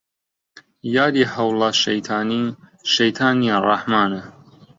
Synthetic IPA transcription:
jaːd̪iːhɐwlɑʃɐjt̪ʰaːniʃɐjt̪ʰaːniarɑħmaːnɐ

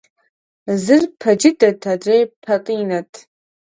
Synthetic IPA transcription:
zɨrpʰɐd͡ʒɪdɐtʰadrejpʰɐqʼiːnɐtʰ

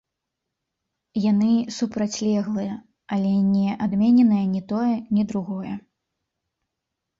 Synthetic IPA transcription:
janɨsupɾat͡sʲlʲɛɣlˠɨjɐ | alʲɛnʲɛʔad̪mʲɛnʲɛnɐjɐnʲɛt̪ɔjɛnʲid̪ɾuɣɔjɛ̰

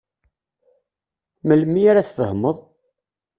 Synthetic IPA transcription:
məlmːiaɾaθfəhməðˤ

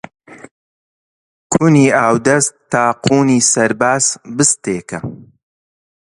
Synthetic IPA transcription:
kʰuniːaːwd̪ɐst̪ːaːqʰuːniːsɐɾbaːzbɨst̪eːkɐ

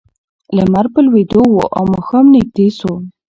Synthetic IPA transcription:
ləmaɾpəlwed̪owo̰ʔamoxamnɪɡ̚d̪eso

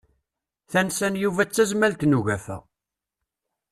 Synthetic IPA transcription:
θænsænjuvæt͡sːæzmælt̪nuʝæfæ̰

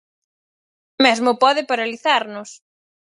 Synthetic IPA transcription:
mɛzmʊpɔðɪpaɾaliθaɾnʊs

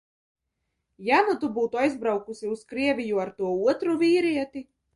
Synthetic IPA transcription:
janut̪ubuːt̪uajzbɾawkusʲiuskɾiɛvʲijuaɾt̪uɔuɔt̪ɾuvʲiːɾiɛt̪ʲi

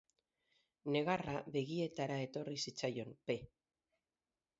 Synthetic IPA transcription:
ne̞ɣ̞araβe̞ɣie̞t̪aɾae̞t̪o̞risit͡sajo̞mpe̞

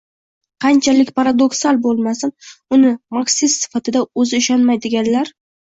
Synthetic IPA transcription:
qʰɑnt͡ʃʰalɪkʲpʰaɾad̪oksalˠbolˠmasɪnʊnɪmaksɪst̪sɪ̥fat̪ʰɪd̪aɵzɪɪʃanmajd̪ɪɡʲanlaɾ

